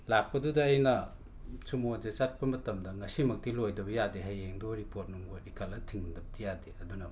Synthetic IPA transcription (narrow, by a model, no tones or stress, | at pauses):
lak̚pɐdudɐːjnɐ | t͡ʃumod͡ʒet͡ʃat̚pɐmɐtɐmdɐŋɐsimɐk̚tilojdɐbɐjadeɦajeŋdoɾipot̚numɡoikʰalɐtʰiŋmdɐbdijadeɐdunɐ